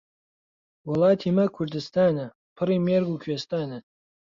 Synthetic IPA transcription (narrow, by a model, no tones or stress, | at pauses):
wʊlˠaːt̪ʰimɐkʷʰʊrd̪ɨst̪ʰaːnɐ | pʰɨrimerɡukʰɥest̪aːnɐ